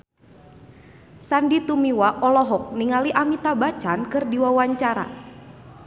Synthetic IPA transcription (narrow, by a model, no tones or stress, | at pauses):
sandit̪umiwaʔɔlɔɦɔk̚niŋaliʔamit̪abat͡ʃankɨrdiwawaɲt͡ʃaɾa̰